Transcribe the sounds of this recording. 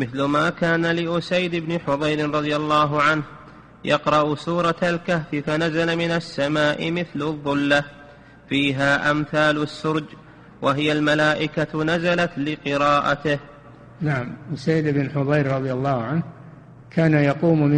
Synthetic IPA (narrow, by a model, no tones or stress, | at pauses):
mɪθlʊmaːkaːnalɪʔʊsajd̪ɪbnɪħʊðˤɑjɾɪnɾˤɑðˤɨjalːɑːɦʊʕanh | jɑqɾˤɑʔʊsuːɾˤɑalkahfɪfanazalamɪnasːamaːʔɪ̰mɪθlʊðˤːʊlːa | fiːɦaːʔamθaːlʊsːʊɾd͡ʒ | waɦɪjalmalaːʔɪkanazalat̪lɪqɨɾaːʔat̪ɪh | naʕamʔʊsajd̪ɪbɪnħʊðˤɑjɾɾˤɑðˤjalːɑːhʕanh | kʰaːnajɑquːmm